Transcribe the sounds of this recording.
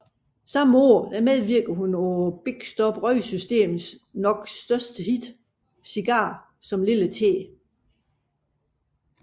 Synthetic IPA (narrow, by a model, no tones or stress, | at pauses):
sɑ̈məoɐ̰d̥æmeð̞ˠʋiɐɡ̥ð̩ˠhunɒʊɐb̥eɡ̥sd̥ɒ̽b̥ʁœɪsysd̥e̝̰ːmð̩ˠsnɒ̽ɡ̥sd̥ɶɐsd̥əhid̥ | siɡ̥ɑ̈ː | sɒ̽mlilət͡sʰe̝̰ː